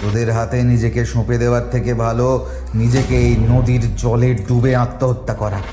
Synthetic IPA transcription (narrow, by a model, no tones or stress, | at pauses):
t̪od̪eɾɦat̪enid͡ʑekeʃõped̪eoaɾt̪ʰekebʱalo | nid͡ʑekeejnod̪iɾd͡ʑɔleɾɖubeãt̪ːoɦot̪ːakɔɾa